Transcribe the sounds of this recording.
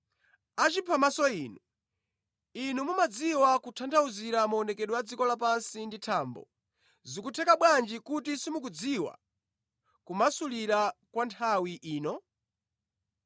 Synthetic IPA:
at͡ʃipʰamasɔiːnu | inumumad͡ziwakutʰandʰauziɾamaɔnɛkɛɗwad͡zikɔlap̬ansinditʰaːmbɔ̰ | zikutʰɛkaɓwand͡ʒikutisimukud͡ziwa̰ | kumasuliɾakwantʰawiʔiːnɔ

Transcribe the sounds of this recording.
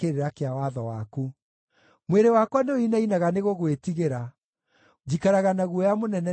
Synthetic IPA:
eɾeɾakeawaðɔwaku | mweɾewakwaneoinainaɣaneɣoɣwetiɣeɾa | d͡ʑikaɾaɣanaɣuɔjamonɛnɛ

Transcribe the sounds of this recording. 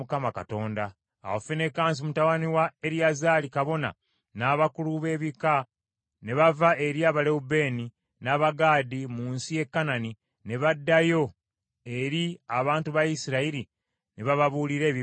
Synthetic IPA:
ukamaka̰to̞ːnda̰ː | wofene̞kaːns̬imutawaniwae̞ɾjazaːlikaβo̞na̰ | naːβakuluβe̞ːβika | ne̞βavae̞ɾiaːβaleube̞ːni | naːβaɡaːdimuːnsije̞kːanani | ne̞βadːajo̞ | e̞ɾiaβaːntuβajisiɾaiɾi | neβaβaβuːliɾe̞ːβi

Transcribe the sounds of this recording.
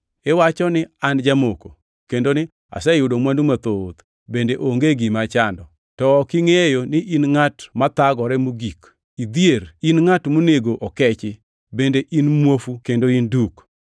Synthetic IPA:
ɛwat͡ʃɔnɪand͡ʒamoko | kendonɪ | a̰sɛjʊdomwandumat̪ot̪ | bendeʔoŋɡeɡimat͡ʃandɔ | tɔːkɪŋejonɪʔinŋatmat̪aɡɔɾɛmuɡik | id̪ijeɾinŋatmoneɡoʔɔkɛt͡ʃɪ | bendeʔinmwofukendoinduk

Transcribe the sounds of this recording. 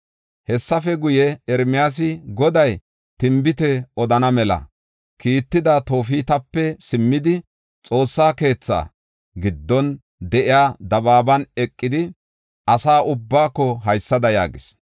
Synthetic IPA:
hɛsːɐfɛɡʊjɛɛɾmɪjaːs̬ɪɡɔd̪ɐj | t̪ɪmbɪt̪ɛɔd̪ɐnɐmɛlɐ̰ | kiːt̪ːɪd̪ɐt̪o̞ːfiːt̪ɐpːɛsɪmːɪd̪ɪ | t͡sʼo̞ːsːaːke̞ːt͡sːa̰ː | ɡɪd̪ːɔn | d̪ɛʔɪjaːd̪ɐbaːbɐnɛkʼːɪd̪ɪ | ʔɐsaːʔʊbːaːkːɔɦɐjsːɐd̪ɐja̰ːɡɪs

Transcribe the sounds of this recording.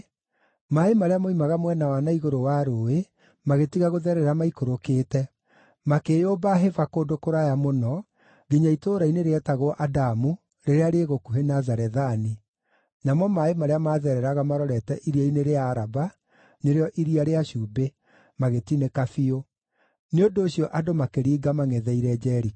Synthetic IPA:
maemaɾeamoimaɣamwɛnawanaiɣoɾowaɾoe | maɣetiɣaɣoðɛɾɛɾamaikoɾokeːtɛ | makejobaɦevakoːndokoɾajamonɔ | ɣiɲaitoːɾaineɾeɛtaɣoɔʔadamu | ɾeɾeaɾeːɣokuɦenazaɾɛðani | namɔmaemaɾeamaːðɛɾɛɾaɣamaɾɔɾɛtɛʔiɾiaineɾeaːɾaba | neɾeɔʔiɾiaɾeaɕuːbe | maɣetinekafio | neondoːɕiɔʔadomakeɾiːɡamaŋɛðɛiɾɛd͡ʒɛɾi

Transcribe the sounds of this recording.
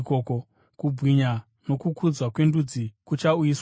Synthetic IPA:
koko | kubʱwiɲa | no̞kukʰud͡zwakwe̞ndud͡zikut͡ʃaujis

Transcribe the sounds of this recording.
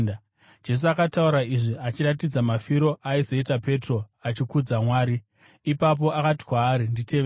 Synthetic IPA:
d͡ʒe̞s̬uakatauɾaiʐiʔat͡ʃiɾatid͡zamafiɾo̞ʔaiso̞itape̞tro̞at͡ʃikud͡zamwaːɾiː | pap̬o̞ʔakati̥kwaːɾinditeʋe

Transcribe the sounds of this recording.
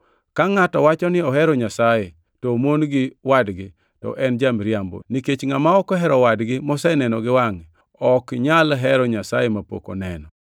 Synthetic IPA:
kaŋatɔwat͡ʃɔnɪɔɦɛɾɔɲasaje | tɔmonɡɪwadɡɪ | tɔ̰ʔɛnd͡ʒamɾjambo̰niket͡ʃŋamaɔkɔɦɛɾɔwadɡɪmɔsɛnɛnɔɡɪwaŋ | ɔkɲalɦɛɾɔɲasajemapo̰ko̰nɛ̰nɔ

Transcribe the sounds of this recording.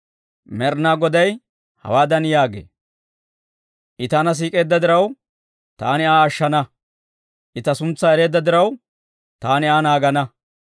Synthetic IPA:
mɛɾnaːɡɔd̪ɐj | hɐ̰waːd̪ɐnjaːɡḛː | ʔɪt̪ɐnɐs̬iːkʼe̞ːd̪ːɐd̪ɪɾɐw | t̪aːnɪaːɐʃːɐnɐ | ʔɪt̪ɐsʊnt͡sːɐɛɾe̞ːd̪ːɐd̪ɪɾɐw | t̪aːnɪaːnaːɡɐnɐ

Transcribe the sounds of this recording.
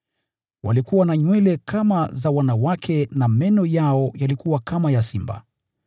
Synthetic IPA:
wa̰likuwanaɲwɛlɛkʰamazawanawakʰɛnamɛnɔjaɔjalikuwakamajasimba̰

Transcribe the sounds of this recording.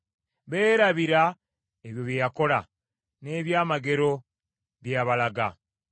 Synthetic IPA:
βe̞ːɾaβiɾa | eβjo̞βjejako̞la | ne̞ːβjaːmaɡe̞ɾo̞ | βjaβalaɡa̰

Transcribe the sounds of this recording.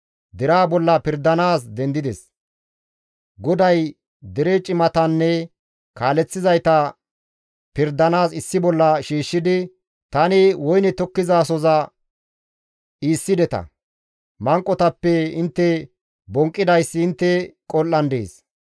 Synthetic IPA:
d̪ɛɾaːbɔlːɐpɪɾd̪ɐnaːsd̪ɛnd̪ɪd̪ɛs | ɡɔd̪ɐj | d̪ɛɾɛt͡ʃʼɪmɐt̪ɐnːɛ | kaːlɛt͡sːɪzɐjt̪ɐ | pɪɾd̪ɐnaːsɪsːɪbɔlːɐʃiːʃːɪd̪ɪ | t̪ɐnɪwɔjnɛt̪ɔkːɪzaːsɔzɐ | iːsːɪd̪ɛt̪ɐ̰ | mɐŋkʼːɔt̪ɐpːɛɪnt̪ːɛ | bɔŋkʼːɪd̪ɐjsːɪːnt̪ːɛkʼɔlːɐnd̪ḛːs

